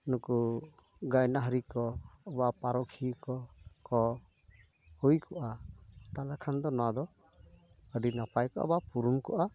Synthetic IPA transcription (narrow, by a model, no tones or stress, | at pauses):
nuku | ɡajnaɦəɾikɔbapaɾɔkʰikɔkɔ | hujkɔʔat̪alakʰand̪ɔnɔwad̪ɔ | əɖinapajkɔʔa̰bapuɾumkɔʔa